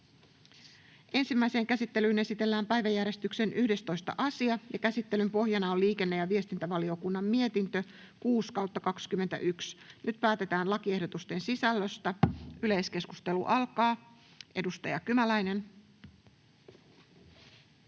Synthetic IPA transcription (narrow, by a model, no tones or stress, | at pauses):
ʔe̞nsimːæjse̞ːŋkæsit̪ːe̞lyːne̞sit̪e̞lːæːmpæjʋæjːærɾje̞st̪ykse̞nʔyhde̞st̪o̞jst̪ɑ̰ʔɑsiɑjɑkæsit̪ːe̞lympo̞hjɑnɑoliːke̞nːe̞jɑʋiest̪int̪æʋɑlio̞kunːɑmːie̞t̪int̪ø̞ | kuːskɑwt̪ːɑkɑkskymːent̪æ̰ʔyksnyt̪̚pæːt̪e̞t̪æːnlɑkie̞hdo̞t̪ust̪e̞nsisælːøst̪æyle̞jske̞skust̪e̞lṵʔɑlkɑː | ʔe̞dust̪ɑjɑkymælæjne̞n